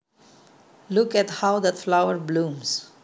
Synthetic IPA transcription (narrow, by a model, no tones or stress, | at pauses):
lʊkɛthaʊðætflaʊəɹblũms